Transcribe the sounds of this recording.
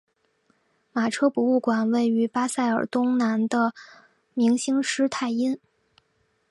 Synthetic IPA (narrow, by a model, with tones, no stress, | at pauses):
ma˨˩ʈ͡ʂʰɤ˥pu˧˥u˥˩kwa˨˩nwe˥˩ɪy˧˥pa˥sa˥˩ɪə̰˞˨˩t̪ʊ˥ŋna˧˥nd̪ə˧ | mi˧˥ŋɕi˥ŋʂɻ̩˥t̪ʰa˥˩ɪi˥n